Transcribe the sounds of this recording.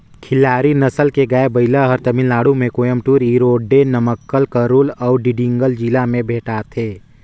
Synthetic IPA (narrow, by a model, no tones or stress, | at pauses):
kʰɪlaːɾinɐsəlkeɡaebəɪlaɦɔɾt̪əmɪlːaːɽumẽkoːjəmʈuːɾiːɾoːɖːenəməkːəlkəɾuːlɔːɖiɖɪ̃ŋɡəld͡ʒiːlamẽbʱeːʈaːt̪ʰeː